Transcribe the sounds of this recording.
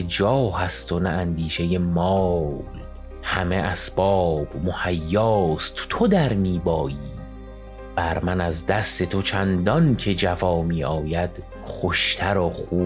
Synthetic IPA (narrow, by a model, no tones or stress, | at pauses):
ed͡ʒɒːhæst̪ʰonæʔænd̪iːʃe̞je̞mɒːl | hæmeʔæsb̥ɒːb̥mohæjːɒːst̪ʰt̪ʰod̪æɾmiːbɒːjiː | b̥æɾmænæzd̪æst̪e̞t̪ʰot͡ʃʰænd̪ɒncʰe̞d͡ʒæfɒːmiːʔɒːjæd̪̥ | χoʃt̪ʰæɾɒχuː